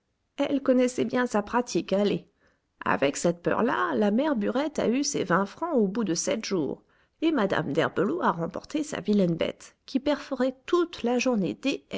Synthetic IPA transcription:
ɛlkɔnɛsɛbjɛ̃sapχat̪ʰikale | a̰vɛksɛt̪pœ̰ʁla̰lamɛʁbyʁɛt̪a̰ysevɛ̃fχɑ̃obud̪əsɛt̪ʒṵːʁ | emad̪a̰md̪ɛ̰ʁbəloaʁɑ̃pɔ̰ʁt̪esa̰vilɛnbɛ̰t̪kʲipɛʁfəʁɛt̪ut̪laʒuʁnḛd̪e

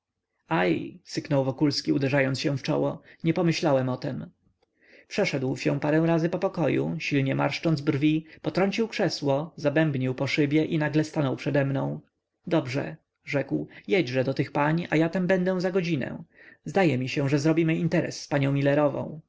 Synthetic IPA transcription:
ajsɘknɔwvɔkulskʲiud̪ɛʐajɔnsɕɛ̃ft͡ʂɔ̰wɔɲɛpɔmɘɕlawɛmɔt̪ɛm | pʂɛʂɛd̪wɕɛpaɾɛ̃w̃ɾazɘpɔpɔkɔjṵɕilɲɛma̰ɾʂt͡ʂɔnd̪zbrvʲipɔt̪ɾɔɲt͡ɕiwkʂɛswɔzabɛmbɲiwpɔʂɘbʲjɛʔinaɡlɛst̪anɔwpʂɛd̪ɛmnɔ̃w̃ | d̪ɔbʐɛ̰ | ʐɛkwjɛd͡ʑʐɛd̪ɔt̪ɘxpaɲʔa̰jat̪ambɛnd̪ɛ̃zaɡɔd͡ʑinɛ̰̃zd̪ajɛmʲiɕɛ̃ʐɛzɾɔbʲimɘint̪ɛɾɛ̰sːpaɲɔ̃w̃mʲilɛɾɔvɔ̰̃w̃

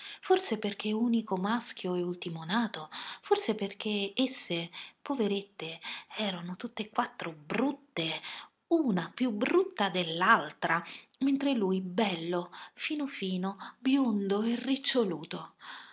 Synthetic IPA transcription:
forseperk̟euːnikomask̟joɛult̪imonaːt̪oforseperk̟eesːepoveɾet̪ːeɛːɾanot̪ut̪ːekːwat̪ːɾobɾut̪ːe | uːnapjubɾut̪ːad̪elːalt̪ɾament̪ɾeluːjbɛlːofiːnofiːnobjond̪oerːit͡ʃːoluːt̪o

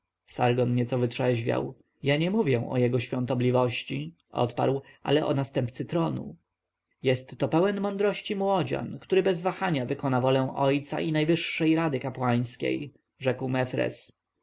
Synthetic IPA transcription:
saɾɡɔnɲɛt̪sɔvɘtʂɛʑvʲa̰w | jaɲɛmuvʲjɛ̃ʔɔ̰jɛɡɔɕfʲjɔ̃nt̪ɔblʲivɔɕt͡ɕi | ʔɔ̰t̪pa̰ɾwʔa̰lɛʔɔ̰nast̪ɛmpt̪sɘt̪ɾɔnṵ | jɛst̪ːɔpɛwɛnmɔnd̪ɾɔɕt͡ɕimwɔd͡ʑa̰nkt̪uɾɘbɛzvaxaɲavɘkɔnavɔlɛ̃w̃ʔɔjt̪sa̰ʔinajvɘʂːɛjɾad̪ɘkapwaj̃skʲḛj | ʐɛkwmɛfɾɛ̰s

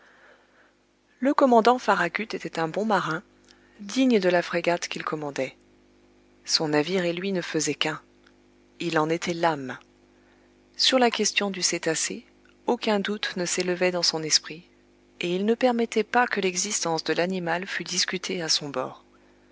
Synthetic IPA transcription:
ləkɔmɑ̃d̪ɑ̃faʁakʲyt̪et̪ɛt̪ɛ̃bɔ̃maʁɛ̃ | d̪iɲəd̪əlafχeɡat̪kʲilkʰɔmɑ̃d̪ɛ | sɔ̃naviʁelɥinəfəzɛkɛ̃ | ilɑ̃net̪ʰɛlam | syʁlakʲɛst̪jɔ̃d̪yset̪ase | okʲɛ̃d̪ut̪nəseləvɛd̪ɑ̃sɔ̃nɛspχi | eilnəpɛʁmɛt̪ɛpakəlɛɡzist̪ɑ̃sd̪əlanimalfyd̪iskʲyt̪ʰeasɔ̃bɔ̰ːʁ

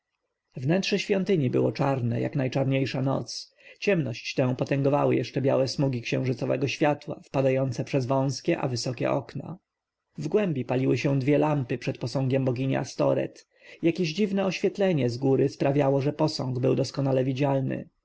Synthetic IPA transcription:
vnɛntʂɛɕfʲjɔnt̪ɘɲibɘwɔt͡ʂaɾnɛ̰ja̰knajt͡ʂaɾɲejʂanɔ̰t̪s | t͡ɕɛmnɔɕt͡ɕt̪ɛ̃w̃pɔt̪ɛŋɡɔva̰wɘ̰jɛʂt͡ʂɛbʲja̰wɛsmuɡʲikɕɛ̃w̃ʐɘt̪sɔvɛɡɔɕfʲjat̪wa̰fpad̪ajɔnt̪sɛpʂɛzvɔ̃w̃skʲɛʔa̰vɘsɔkʲɛ̰ʔɔ̰kna̰ | vɡwɛmbʲipalʲiwɘɕɛ̃d̪vʲjɛlampɘpʂɛt̪pɔsɔ̃ŋɡʲɛmbɔɡʲiɲɛ̰ast̪ɔ̰ɾɛ̰t̪ | jakʲeʑd͡ʑivnɛɔɕfʲjɛt̪lɛɲɛzɡuɾɘspɾavʲjawɔʐɛpɔsɔ̃ŋɡbɘwd̪ɔskɔnalɛvʲid͡ʑalnɘ̰

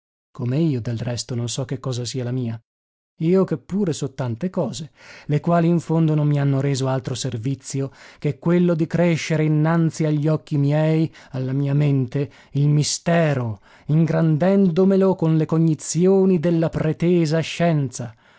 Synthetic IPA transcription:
komeiːod̪elrɛst̪ononsɔkːekːɔːzasiːalamiːa | iːokepːuːɾesɔt̪ːant̪ekɔːzelekwaːliːɱfond̪onommːianːoɾeːzoalt̪ɾoservit̪sːjok̟ekːwelːod̪ikɾeʃːeɾeinːant̪siaʎːiɔk̟ːimjɛjalːamiːament̪e | ilmist̪ɛːɾo | iŋɡɾand̪ɛnd̪omelokonlekoɲːit̪sjoːnid̪elːapɾet̪eːzaʃːɛnt̪sa

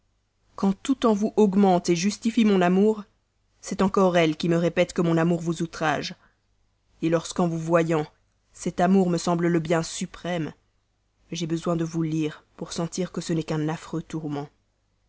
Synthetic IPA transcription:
kɑ̃t̪ut̪ɑ̃vuʔɔɡmɑ̃t̪eʒyst̪ifimɔ̃namuʁ | sɛt̪ɑ̃kɔʁɛlkʲiməʁepɛt̪kəmɔ̃namuʁvuzut̪χaʒ | elɔʁskɑ̃vuvwajɑ̃ | sɛt̪amuʁməsɑ̃blələbjɛ̃sypχɛm | ʒebəzwɛ̃d̪əvuliːʁpuʁsɑ̃t̪iʁkəsənɛkɛ̃nafχøt̪uʁmɑ̃

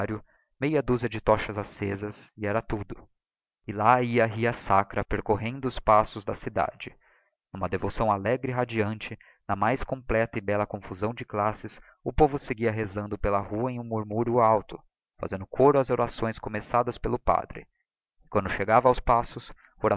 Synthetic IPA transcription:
ɾjʊ | mejɐd̪uzɐd͡ʒɪt̪ɔʃɐzasezɐsɪɛɾɐt̪ud̪ʊ | ɪlaiɐɐɦiɐsakɾɐpeɾkoɦẽnd̪ʊːspasʊzd̪ɐsid̪a̰d͡ʒɪ | nũmɐd̪evosɐ̃w̃alɛɡɾɪiɦad͡ʒiɐ̃nt͡ʃɪ | nɐmajskõmplɛt̪ɐɪbɛlɐkõfuzɐ̃w̃d͡ʒɪklasɪs | ʊpovʊseɡiɐɦezɐ̃nd̪ʊpelɐhuɐẽj̃ũmuɾmuɾjʊawt̪ʊ̥ | fa̰zẽnd̪ʊkʰoɾʊɐzoɾasõj̃skomesad̪ɐspelʊpa̰d̪ɾɪ̰ | ɪkwɐ̃nd̪ʊʃeɡavɐawspasʊs | oɾa

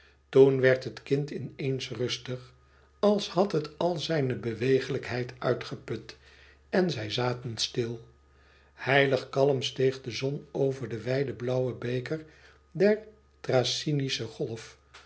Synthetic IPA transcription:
tunʋɛɹtɦətkɪntɪnejnsrɵstəχ | ɑlˠshɑtɦətɑlˠzɛjnəbəʋejχələkɦɛjtœɥtχəpɵt | ɛnzɛjzaːtənstɪlˠ | hɛjləχkɑlˠəmstejχdəzɔnowvəɹdəʋɛjdəblʌwəbejkəɹ | dɛɹ | trasinisəχɔlˠf

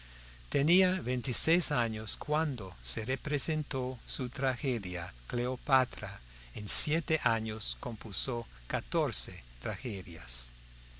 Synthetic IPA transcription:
t̪eniaβent̪isejsaɲoskwand̪oserepɾesent̪osut̪ɾaxeðjakleopat̪ɾa | ensjet̪eʔaɲoskõmpuso | kat̪oɾset̪ɾaxeðja̰s

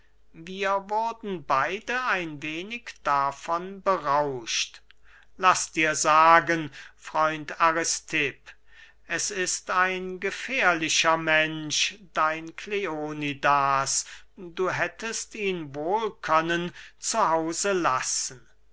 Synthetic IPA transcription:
viːɐvʊɐdn̩baɪdəaɪnveːnɪkd̥afɔnbəʁaʊʃt | lasd̥iːɐzaːɡənfʁ̥ɔʏntʰaʁɪstʰɪp | ʔɛsɪstaɪnɡəfeːɐlɪʃɐmɛnʃd̥aɪnkʰleoːnidaːsduːɦɛtʰəstiːnvoːlkʰœnənt͡suhaʊzəlasən̩

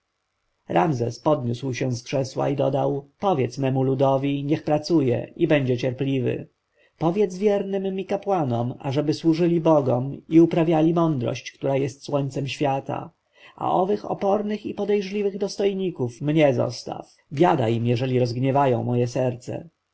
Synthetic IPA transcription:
ɾamzɛspɔd̪ɲuswɕɛ̃skʂɛswa̰id̪ɔd̪awpɔvʲjɛt̪smɛmulud̪ɔvʲiɲɛxpɾat̪sujɛ̰ibɛɲd͡ʑɛt͡ɕɛɾplʲivɘ̰ | pɔvʲjɛt̪zvʲjɛɾnɘmːmːikapwanɔma̰ʐɛbɘswuʐɘlʲibɔɡɔmiupɾavʲjalʲimɔnd̪ɾɔ̰ɕt͡ɕkt̪uɾajɛst̪swɔɲt̪sɛmɕfʲjat̪a̰ | ʔa̰ʔɔvɘxɔ̰pɔɾnɘxipɔd̪ɛjʐlʲivɘɣd̪ɔst̪ɔjɲikufmɲɛzɔ̰st̪a̰f | vʲjad̪ajimjɛʐɛlʲiɾɔzɡɲɛvajɔ̰̃w̃mɔjɛsɛɾt̪sɛ̰

